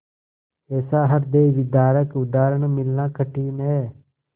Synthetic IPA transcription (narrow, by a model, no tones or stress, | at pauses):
ɛːsaːɦəɾd̪eːʋɪd̪aːɾəkʊd̪aːɾəɳmɪlːãːkəʈiːneɛː